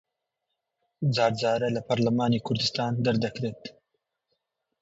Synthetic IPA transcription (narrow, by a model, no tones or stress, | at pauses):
zaːɾd͡zɑːɾɐlɐpʰɐɾlɐmaːnikʰʊɾd̪ɨst̪aːnd̪ɐɾd̪ɐkɾeːt̪